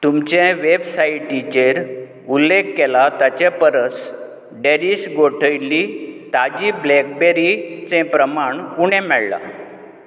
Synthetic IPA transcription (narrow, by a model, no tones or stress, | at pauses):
t̪umt͡ɕɛ̃ʋebsaiʈit͡ɕeɾ | ulːekːɛlat̪at͡ɕɛpəɾəs | ɖeɾisɡoʈʰəjlːit̪ad͡ʑiblɛk̚beɾit͡sɛ̃pɾəmaɳuɽɛ̃mɛɭla̰